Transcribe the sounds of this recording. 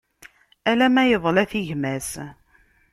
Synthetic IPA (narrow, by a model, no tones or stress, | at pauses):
ælæmæjəðˤlæθiʝmæs